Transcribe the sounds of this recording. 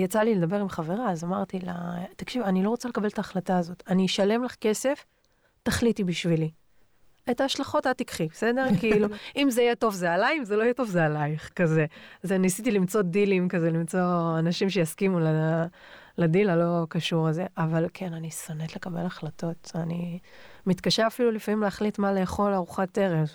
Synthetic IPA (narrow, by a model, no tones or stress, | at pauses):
jat͡saliled̪abe̞ʁimχave̞ʁaːzamaʁt̪ilat̪akʃivanilo̞ʁot͡sale̞kabe̞lt̪aːχlataːzo̞taniʃale̞mlaχke̞se̞f | taχlitibiʃvili | etaːʃlaχo̞tat̪ikχibesede̞ʁkiiluimzejeto̞vzealajimzeloajeto̞vzealajiχkazezenisitilimt͡so̞dilimkazelimt͡so̞anaʃimʃejaskimula | ladilalo̞kaʃuʁeze̞ʔavalkʰe̞nanisanet̪le̞kabe̞̰laχlato̞tanimit̪kaʃeʁafilulifamimleaχlitmale̞eχo̞laʁuχate̞ʁev